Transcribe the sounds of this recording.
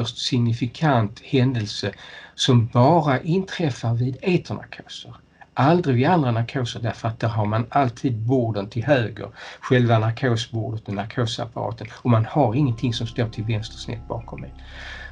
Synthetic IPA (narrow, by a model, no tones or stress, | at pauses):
œʂtsɪŋnɪfɪkʰant̪hɛnd̪əlsəsɔmbɑːɾaʔɪnt̪ʰɾɛfːaɾvɪd̪eːt̪ʰəɳa̰ɾkʰoːsəɾ | ʔald̪ɾɪvɪand̪ɾanaɾkʰoːsəɖæɾfəɾat̪̚d̪æːɾɦaɾmanalt̪ʰiːd̪̚buːɖənt̪ʰɪlɦøːɡə̰ɾɧɛlvanaɾkʰoːsbʊːɖət̪ɔnaɾkʰoːsa̰paɾɑ̰ːt̪ənɔmanhaɾɪŋːənt̪ʰɪŋsɔmst̪oːʈʰɪlvɛnst̪ə̥ʂnɛ̰t̪̚ːbɑ̰ːkʰɔmːɛ̰